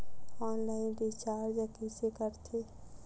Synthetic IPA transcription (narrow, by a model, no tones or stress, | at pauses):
ɔːnlaːɪnbit͡ʃaːɾd͡ʒəkisekəɾt̪ʰeː